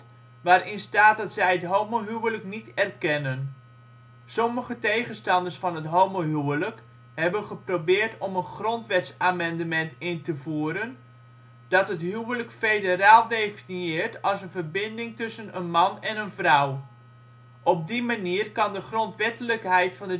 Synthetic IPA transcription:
ʋaːɾɪnstaːt̚dɑtsɛjətɦowmoɦywələknitɛrkɛnən | sɔməχətejχənstɑndərsfɑnətɦowmoɦywələk | hɛbənχəprobɪːrtɔmənχrɔntʋɛtsaːmɛndəmɛntɪntəvuːɾən | d̥ɑtɦətɦywələkfejdəɾaːlˠdejfinjɪːrtɑlˠsənvərbɪndɪŋtʏsənənmɑnɛnənvrʌw | ʔɔp̚dimaniːərkɑndəχrɔntʋɛtələkɦɛjtfɑndə

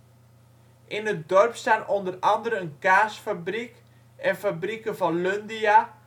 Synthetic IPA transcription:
ʔɪnət̚dɔrpstaːnɔndərɑndəɾəənkaːsfabrik | ɛnfabrikəvɑnløndia

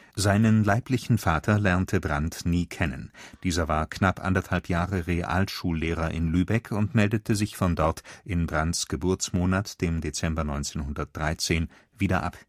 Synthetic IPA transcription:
zaɪnənlaɪplɪçn̩faːtʰɐlɛɐntʰəbʁantniːkʰɛnə̰nd̥iːzɐvaːɐkʰnapʔa̰ndɐthalpjaːʁəʁeːʔa̰ltʃuːlːeːʁɐʔɪ̰nlyːbɛkʰʊntmɛldətʰəzɪçfɔndɔɐtʔɪnbʁantsɡ̥əbʊɐt͡smoːnatd̥eːmdet͡sɛmbɐnɔʏnt͡seːnhʊndɐt̚d̥ʁaɪt͡seːn | viːdɐʔa̰p

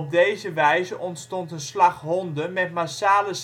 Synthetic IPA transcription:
b̚dejzəʋɛjzəʔɔntstɔntənslɑχɦɔndəmɛtmasaːləs

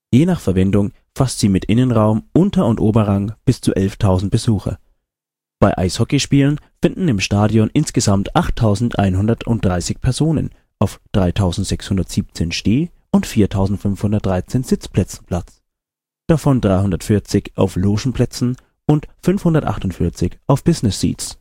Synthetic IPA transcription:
jeːnaːχfɛɐvɛndʊŋ | fastz̥iːmɪtʔɪnənʁaʊmʔʊntɐʊntʔoːbɐʁaŋb̥ɪst͡sṵːʔɛlftʰaʊzn̩t̚b̥əzuːxɐ̰ | b̥aɪʔa̰ɪshɔkɪʃpiːlənfɪndn̩ɪmʃtaːdjɔnʔɪnsɡ̥əzamtʔaχtʰːaʊzn̩tʔa̰ɪnɦʊndɐtʰʊ̰nt̚d̥ʁaɪsɪçpʰɛɐzoːnə̰n | ʔaʊfd̥ʁaɪtʰaʊzn̩tz̥ɛkshʊndɐtz̥iːp̚t͡seːnʃteː | ʊntfiːɐtʰaʊzn̩tfʏnfhʊndɐt̚d̥ʁaɪt͡seːnz̥ɪt͡spl̥ɛt͡sn̩pʰl̥at͡s | d̥afɔndʁaɪhʊndɐtfɪɐt͡sɪçʔa̰ʊfloːʃn̩pl̥ɛt͡sn̩ | ʊntfʏnfhʊndɐtʔa̰χtʊntfɪɐt͡sɪçʔaʊfb̥ɪznɪsːḭːtt͡s

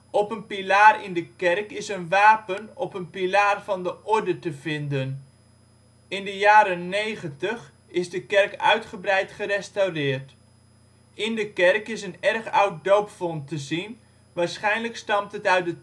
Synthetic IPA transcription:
ɔpənpilaːrɪndəkɛrkɪsənʋaːpənɔpənpilaːrv̥ɑndəʔɔɹdətəvɪndən | ɪndəjaːɾənːejχəntəχ | ɪzdəkɛrkœ̰ɥtχəbrɛjtχərɛstawrɪːrt | ɪndəkɛrkɪsənɛrχawt̚dowpfɔntəzin | ʋaːɹsχɛjnləkstɑmtətœɥ̚də

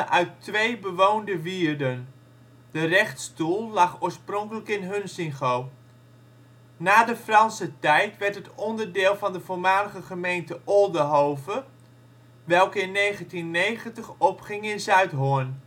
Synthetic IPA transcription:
ʔœɥtʋejbəʋoːndəʋiːərdən | dərɛχtstulˠlɑχoːəɹsprɔŋkələkɪnɦɵnsɪŋχoː | naːdəfrɑnsətɛjtʋɛɹtɦətɔndərdɪːlˠvɑndəvoːmaːləɣəχəmejntəʔɔlˠdəɦoːvə | ʋɛlˠkəɪnːejχəntinːejχəntəχɔpχɪŋɪnzœɥtɦʊən

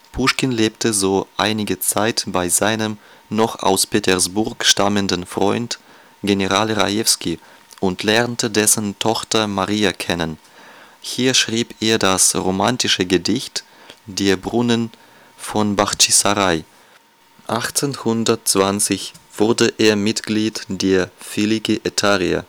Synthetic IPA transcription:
pʰuʃkɪnleːp̚təzoːʔa̰ɪnɪɡət͡saɪtb̥aɪzaɪnəmnɔχa̰ʊspetʰɛɐsb̥ʊɐkʃtaməndənfʁ̥ɔ̰ʏnt | ɡ̥enəʁaːlʁa̰jɛfski | ʔʊntlɛʁntədɛsən̩tʰɔxtɐmaʁiːakʰɛnən | hiːɐʃʁ̥iːpʔeːɐdasʁomantɪʃəɡədɪçt | d̥eːɐbʁʊnən | fɔnbaʁtisaʁaɪ | ʔaχt͡senhʊndɐtt͡sv̥ant͡sɪçv̥ʊɐdəʔeːɐmɪtɡ̥liːtd̥eːɐfilikiʔetʰaʁia̰

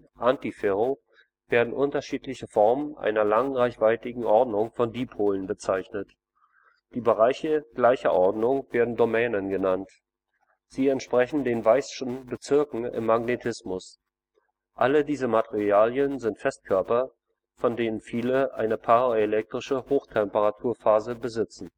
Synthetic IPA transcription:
ʔantifɛʁo | v̥eːɐdn̩ʔʊntɐʃiːtlɪçəfɔɐmənʔa̰ɪnɐlaŋʁaɪçv̥aɪtɪɡŋ̩ʔɔɐdnʊŋfɔndiːpʰoːlənbət͡saɪçnət | d̥iːbəʁaɪçəɡ̥laɪçɐʔɔɐdnʊŋv̥eːɐdn̩domɛːnənɡənant | z̥iːɛntʃpʁ̥ɛçn̩deːnvaɪsʃn̩bət͡sɪɐkŋ̩ɪ̰mːaɡnetʰɪsmʊs | ʔalədiːzəmatʰeʁiaːljənzɪntfɛst̚kʰœɐpɐ | fɔndeːnənfiːləʔa̰ɪnəpʰaʁaelɛk̚tʁ̥ɪʃəhoːxtʰɛmpəʁatʰuːɐfaːzəbəzɪt͡sn̩

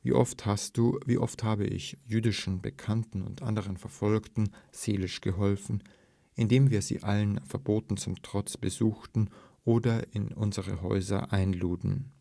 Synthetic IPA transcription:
vḭːʔɔfthast̚d̥uːviːʔɔ̰fthaːbə̰ʔɪ̰çjyːdɪʃn̩bəkʰantn̩ʊ̰ntʔa̰ndəʁ̞ənfɛɐfɔlktn̩z̥eːlɪʃɡ̥əɦɔlfn̩ | ʔɪndeːmviːɐzḭːʔalənfɛɐboːtn̩t͡sʊmtʁ̥ɔt͡sb̥əzuːxtn̩ʔoːdɐʔɪnʔʊnzəʁəɦɔ̰ʏzɐ̰ʔaɪnluːtn̩

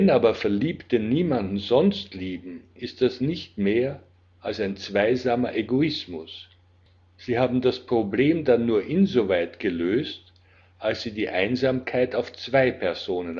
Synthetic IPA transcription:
ɛnaːbɐfɛɐliːptəniːmandn̩zɔnstliːbm̩ʔɪst̚d̥asnɪçtmeːɐ | ʔalsaɪnt͡sv̥aɪzaːmɐʔeɡoɪsmʊs | z̥iːhaːbm̩daspʁ̥obleːmdanːuːɐʔɪnzovaɪtɡ̥əløːst | ʔalsz̥iːdiːʔaɪnzaːmkʰaɪtaʊft͡sv̥aɪpʰɛɐz̥oːnən

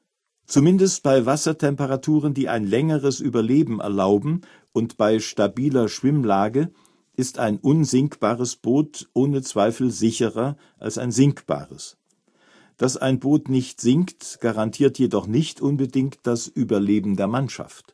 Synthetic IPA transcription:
t͡sumɪndəst̚b̥aɪvasɐtʰɛmpəʁatʰuːʁ̞əndiːʔa̰ɪnlɛŋəʁəsʔyːbɐleːbm̩ɛ̰ɐlaʊbm̩ | ʔʊntb̥aɪʃtabiːlɐʃv̥ɪmlaːɡə | ʔɪsta̰ɪnʔʊnzɪŋkb̥aːʁəsb̥oːtʔoːnət͡sv̥aɪfl̩zɪçəʁɐ | ʔa̰lsa̰ɪnzɪŋkb̥a̰ːʁəs | d̥asa̰ɪnboːtnɪçtz̥ɪŋktɡ̥aʁantʰiːɐtjedɔχnɪçtʔʊnbədɪŋktd̥asʔyːbɐleːbm̩deːɐmanʃa̰ft

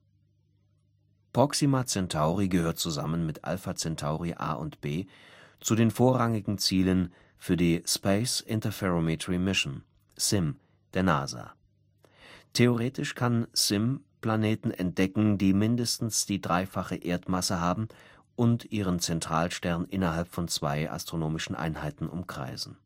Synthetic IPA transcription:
pʁ̥ɔksimat͡sɛntʰaʊʁiɡəhøːɐt̚t͡suza̰mənmɪtʔa̰lfat͡sɛntʰaʊʁiʔa̰ːʔʊ̰ntb̥eː | t͡sudeːnfoːɐʁaŋɪɡŋ̩t͡siːlən | fyːɐdiːspaɪsɪntɐfɛʁomitʁimɪʃn̩ | sɪm | d̥eːɐna̰ːza̰ | tʰeoʁeːtɪʃkʰansɪmpl̥aneːtn̩ʔɛ̰nt̚d̥ɛkŋ̩diːmɪndəstn̩sd̥iːdʁaɪfaχəʔeːɐtmasəɦaːbm̩ | ʔʊntʔiːʁ̞ənt͡sɛntʁ̥aːlʃtɛɐnənʔɪnɐɦalpfɔnt͡sv̥a̰ɪʔa̰stʁ̥onoːmɪʃn̩ʔa̰ɪnhaɪtn̩ʔʊ̰mkʁ̥a̰ɪzn̩

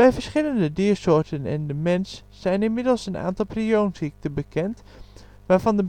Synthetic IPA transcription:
ɛjvəɹsχɪləndədɪːsoːɹtənɛ̰ndəmɛnsː | ɛjnɪnmɪdəl̩ˠsəna̰ːntɑlˠpriownsik̚təbəkʰɛnt | ʋaːɹvɑndə

